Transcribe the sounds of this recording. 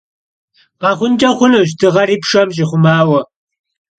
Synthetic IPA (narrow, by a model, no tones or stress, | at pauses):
paχʊnt͡ʃaχʊnʊʃ̬t̪ɪʁɑɾɪpʃamʃ̬ɪχʊmaːwa